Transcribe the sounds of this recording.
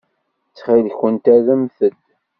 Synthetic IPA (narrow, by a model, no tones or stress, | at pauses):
t͡sːχiðçənt̪æðəmθəd̪